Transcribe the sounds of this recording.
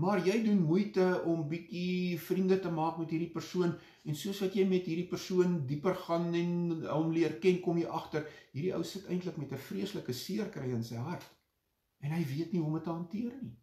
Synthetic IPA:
mɐːrjɛjdunmujtəɔmbikifrindətəmɑːkmɛtɦiːrdipərsuən | ɛnsuəsvɐtjɛjmɛtɦiːrdipərsuəndipərχɐnɛnɔmliərkɛnkɔmjɛjʔɐχtərɦiːɾiʔəwsətɛ̰jntləkmɛtəfriəsləkəsiərkrəjənsəjɦɐrt | ɛnɦəjviətniɦɔmətəɦɐntiərni

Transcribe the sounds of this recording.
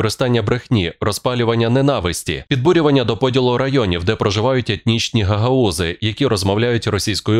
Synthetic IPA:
ɾɪst̪ɑnʲːɐbɾexnʲirɔspɑlʲʊʋɐnʲːɐnenɑʋɪsʲtʲḭpʲid̪̚buɾʲʊʋɐnʲːɐd̪ɔpɔdʲilˠʊɾɐjɔnʲiwd̪ɛpɾɔʒɪʋɑjʊtʲet̪ʲnʲit͡ʃnʲiɦɐɦɐuzɪjɐkʲiɾɔzmɔwlʲajʊtʲrɔsʲijsʲkɔjʊ

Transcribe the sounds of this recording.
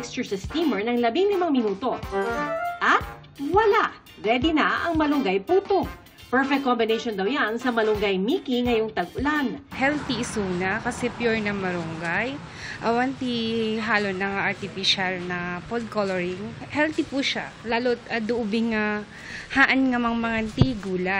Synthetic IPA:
ɛkst͡ʃʊsɐst̪iːmɛɹnɐŋlɐbɪŋlɪmaŋmɪnuːt̪o̞ | ʔɐt̪̚ | wɐlaʔ | ɾɛd̪ɪnɐʔɐŋmɐlʊŋɡajpuːt̪oɡ̚ | pɛɹfɛk̚kːombɪnejʃond̪ɐwjansɐmɐlʊŋɡajmiːkiŋɐjoŋt̪ɐɡʊlanhɛlt̪isuːnɐkɐsɛpjuɹnɐmɐɾʊŋɡaj | ʔɐwɐnt̪iɦaːlonːɐŋaʔɐɹt̪ɪfiʃalnɐpold̪̚koloɹɪŋhɛlt̪ipuʃa | laːlot̪̚ɐd̪ʊʔʊbɪŋa | haʔanŋɐmaŋmɐŋant̪iɡuːla

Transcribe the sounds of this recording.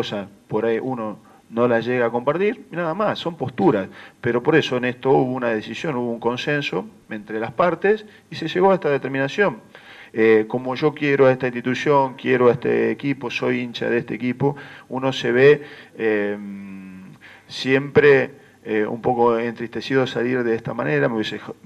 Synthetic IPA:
osaspo̞ɾajʔuno̞ | no̞laʒe̞ɣaːko̞mpaɾt̪iɾnaðamasːo̞mpo̞st̪uɾaspe̞ɾo̞po̞ɾe̞so̞enest̪o̞uβounað̞esisjo̞nuβo̞uŋko̞nse̞nso̞ | ẽ̞nt̪ɾelaspaɾt̪es | ise̞ʒeɣo̞aest̪aðet̪eɾmĩnasjo̞m | eko̞mo̞ʒo̞kjeɾoaest̪aint̪it̪usjo̞ŋkjeɾoaest̪ḛːkipo̞so̞jint͡ʃa̰ðest̪eːkipo̞uno̞se̞βee | sje̞mpɾe | eṵmpo̞ko̞ent̪ɾiht̪e̞siðosaliɾðeest̪amane̞ɾameβise

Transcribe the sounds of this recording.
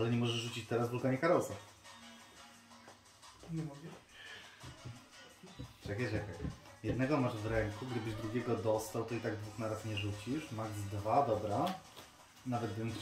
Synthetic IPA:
alɛɲɛmɔʐɛʐʐut͡ɕit͡ɕt̪ɛɾazvulkaɲɛkaɾɔlsaf | ɲɛmɔɡɛ | t͡ʂɛkajʐɛkajjɛd̪nɛɡɔmaʐvɾɛŋkuɡd̪ɘbɘʑd̪ɾuɡʲɛɡɔd̪ɔst̪awt̪ɔit̪aɡd̪vuxnaɾasɲɛʐut͡ɕiʂmaɡzd̪vad̪ɔbɾa | navɛt̪d̪ɛn

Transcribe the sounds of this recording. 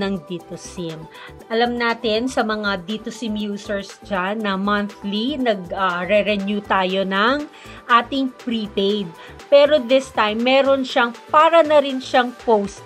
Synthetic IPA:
ɐŋd̪it̪osɪm | ʔɐlɐmnaːt̪ɪnsɐmɐŋad̪it̪osɪmjuːsɛɹsd͡ʒanːɐmɐnθlinɐɡɐɾɛɾɛnjut̪aːjo̞nɐŋ | ʔaːt̪ɪŋpɾipejd̪̚ | pɛːɾo̞d̪ɪst̪ajmːɛːɾo̞nʃɐŋpaːɾɐnɐɾɪnʃɐŋpowst̪

